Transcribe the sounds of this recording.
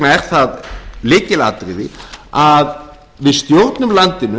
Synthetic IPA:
naɛɾ̥θaðlɪːcɪlaːt̪ɾɪðɪað | vɪðst̪jowɾt̪nʏmlant̪ɪnːʏ

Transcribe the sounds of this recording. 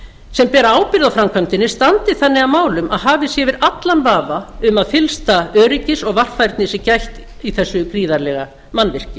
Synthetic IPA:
sɛmpɛːɾaaːwpɪɾðawfɾamkʰvœjmt̪ɪnːɪst̪ant̪ɪθanːɪamaːwlʏmʔaðɦaːvɪsjɛvɪɾat̪lanvaːvaʏmaðfɪlst̪aœːɾɪcɪsɔɣvar̥fajɾt̪nɪsɪcajçt̪ | iθɛsːʏkɾiːðaɾlɛɣa̰ | manːvɪr̥cɪ

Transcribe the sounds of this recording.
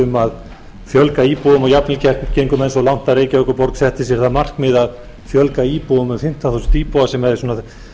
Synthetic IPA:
ʏmað | fjœlkaiːpoʏmɔɣjapnɪlcɛhk̪cejŋkʏmɛnsɔlawn̥t̪aɾeːjcaœhkʏɾpɔɾksɛht̪ɪ̥sjɛɾ̥θaðmar̥kmɪðað | fjœlkaiːpoʏmɛfɪn̥t̪anθusnt̪iːpɔasɛmɛɾðɪsuːna

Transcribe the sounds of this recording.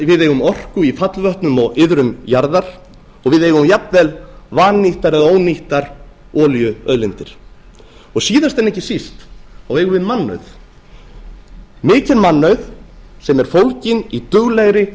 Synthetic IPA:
vɪðeːjɣʏmɔr̥kʏifat̪lvœht̪nʏmɔɣɪðɾʏmjaɾðaɾ̥ | ɔɣvɪðeːjɣʏmjapnvɛlvaːnːiht̪aɾɛðaoːwniht̪aɾ̥ | ɔːljʏœðlɪnt̪ɪɾ̥ | ɔɣsiːðast̪ɛnɛhcɪsist̪awejɣʏvɪðmanːœ̰ɥθ | mɪːcɪnmanːœɥθsɛmɛɾ̥fowlcɪnit̪ʏɣlɛɣɾɪ

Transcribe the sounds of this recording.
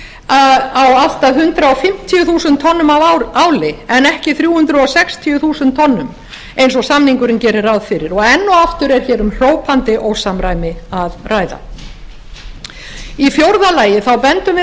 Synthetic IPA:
awal̥t̪aðɦʏnt̪ɾaɔfɪm̥t̪ʰijʏθuːsʏnt̪ʰɔnːʏmaaːwlɪɛnɛhcɪθɾjuːhʏnt̪ɾʏɔsɛkst̪ʰijʏθuːsʏnt̪ʰːɔnːʏm | ejnsɔsamniŋkʏɾɪncɛːɾɪɾawðfɪɾɪɾɔɣɛnːɔaft̪ʏɾɛɾ̥çɛːɾʏmr̥oːwpʰant̪ɪʔowsamɾaːjmɪaðraːjða̰ | ifjowɾðalaːjɪθawpɛnt̪ʏm

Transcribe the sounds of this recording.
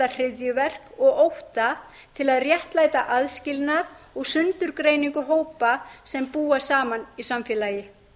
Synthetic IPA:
ar̥ɪðjʏvɛr̥kɔɣowht̪a | t̪ʰɪlaðrjɛht̪laːjt̪aʔaðscɪlnað | ɔɣsʏnt̪ʏɾkɾejniŋkʏɦoːwpasɛmpuːasaːmanisamfjɛːlaːjɪ

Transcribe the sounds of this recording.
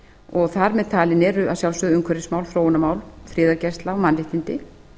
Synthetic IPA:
ɔɣθaɾmɛðt̪ʰaːlɪnɛɾʏaðsjaw̪sœðʏŋkʰvœɾɪsmaːwlfɾoːwʏnamaːwlfɾɪːðaɾcɛst̪laɔmanɾɪht̪ɪnt̪ɪ

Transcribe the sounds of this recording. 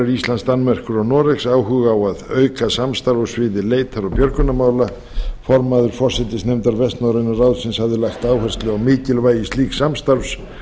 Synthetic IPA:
ɾisanst̪anːmɛr̥kʏɾɔnɔːɾɛksawɦʏːɣaːwaðœɥkasamst̪aɾɔsvɪðɪleːjt̪ʰaɾawpjœɾkʏnamaːwla | fɔɾmaðʏɾ̥fɔr̥sɛt̪ɪsnejmt̪aɾvɛst̪nawɾɪnaraːwðsɪnshavðɪlajxt̪aːwhɛ̥st̪lɪawmɪːcɪlvaːjɪst̪iːksamst̪aɾfs

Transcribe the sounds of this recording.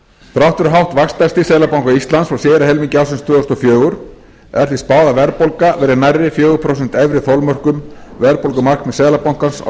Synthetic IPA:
θɾawht̪ʏɾʏɦawht̪vakst̪ast̪ɪsɛːlapawŋ̥kaist̪lansfɾawsjɛːðɾaɦɛlmiɲcɪawsʏnst̪ʰʏːðɔst̪ɔfjœːɣʏɾ̥ | ɛɾ̥θvispaːðavɛɾpolkavɛːɾɪnajrːɪfjœːɣʏpʰɾɔs̬ɛn̥t̪ɛvɾɪθɔlmœr̥kʏmvɛɾpolkʏmaknmɛsɛːlapawŋ̥kansa̰

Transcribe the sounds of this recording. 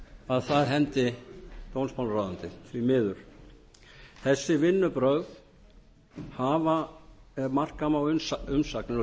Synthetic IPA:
aðθaðɦɛnt̪ɪt̪ownspʰawlɾaːðant̪ɪθɾimɪːðʏɾ̥ | θɛsːɪvɪnːʏpɾœɣð | haːva | mar̥kamawʏnʏmsaknɪɾ

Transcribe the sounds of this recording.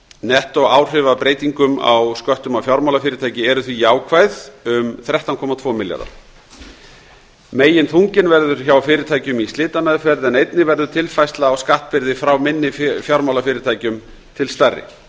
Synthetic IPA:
nɛht̪ɔɣaːwr̥ɪvaðpɾeːjt̪iŋkʏma̰wskœht̪ʏmawfjawɾmawlafɪːɾɪɾt̪ʰajcɪɛɾʏθvijaːwkʰvajðʏmθɾɛht̪awnkʰɔmat̪ʰvɔːmɪlja̰ɾða̰ɾ | meːjɪnθʰuŋcɪnvɛɾðʏɾ̥çawfɪːɾɪt̪ʰaːjcʏmist̪ɪːt̪amɛðfɛɾðɛnejt̪nɪvɛɾðʏt̪ʰɪlfajst̪laawskaht̪̚pɪɾðɪfɾawmɪnːɪfjawɾmawlafɪːɾɪɾt̪ʰaːjcʏm | t̪ʰɪlst̪arːɪ̰

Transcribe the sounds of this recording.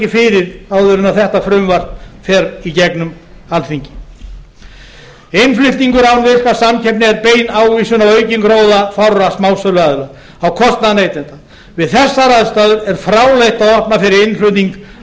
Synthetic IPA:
cɪfɪɾɪɾawðʏɾʏnaθɛht̪afɾʏmvar̥t̪nfɛɾicɛknʏm | alθiɲcɪ̥ | ejnflʏht̪niŋkʏɾavnvɪr̥kasamcʰɛpnɪɛɾpeːjnaːwviːsʏnawœɥcɪnkɾoːwðafawɾasmawsœlɛɣaðla | awkʰɔst̪naðnejt̪ɛnt̪a | vɪðθɛsːaɾaðst̪aːðʏɾɛɾ̥fɾaːwlejht̪aðɔhpnafɪɾɪɾɪnflʏht̪niŋk

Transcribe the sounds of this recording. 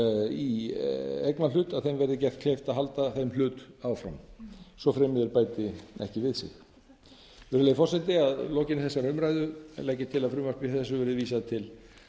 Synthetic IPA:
i | ɛknalʏːt̪aðθejmvɛɾðɪcɛr̥t̪kʰleːjft̪aðɦalt̪aθeml̥ʏːt̪awfɾa̰msɔfɾɛːmɪðɪɾpaːjt̪ɪɛ̰hcɪvɪðsɪ̰x | vɛɾʏleːjɪfɔrsɛt̪ɪaðlɔːcɪnɪθɛsːaɾʏmɾajðʏɛ̰lajcːɪt̪ʰɪlaðfɾʏːmaspiθɛsːʏvɛɾðɪviːsaðt̪ʰɪl

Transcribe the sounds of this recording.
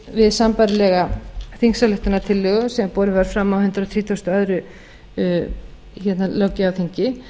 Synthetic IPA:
vɪðsampaɾɪlɛɣaθiŋsalʏht̪ʏnat̪ʰɪlːœːɣʏsɛmapɔːɾɪvaɾ̥fɾamːawhʏnt̪ɾat̪ʰɾiːt̪ʰost̪ɔœðɾʏ | çɛt̪nalawcɪawθiɲcɪ

